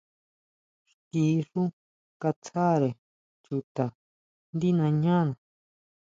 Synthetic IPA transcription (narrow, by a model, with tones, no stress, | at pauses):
ʂt̪i˧˦˧ʂu˦ | ka˧t͡sʰa˦˨ɾe˨ | t͡ʃu˧t̪a˨ | nd̪i˦nã˧ɲã˦˨nã˨